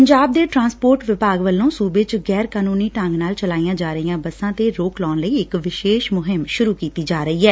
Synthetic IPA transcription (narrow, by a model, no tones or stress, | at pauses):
pəɲd͡ʒaːb̚d̪eːʈɾãːnspoːɾʈʋɪpaːɡʋəlːõːsuːbeːt͡ʃɡɛːɾkaːnuːniːʈə̃ŋɡnaːlt͡ʃəlaːijãːd͡ʒaːɾəijãːbəsãːt̪eːɾoːklɔːnləiːɪkʋɪʃeːʃmʊɦɪmʃʊɾuːkiːt̪iːd͡ʒaːɾəiːɦɛː